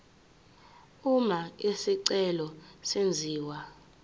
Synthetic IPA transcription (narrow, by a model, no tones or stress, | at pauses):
umaesiǀɛlɔsend͡zʱiːwa